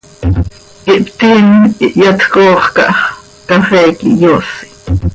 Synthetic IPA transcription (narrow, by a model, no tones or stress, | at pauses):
ʔiʔpt̪iniʔjɑt̪koːχkɑ̰ʔɑχ | kɑχɛːkḭjosi̥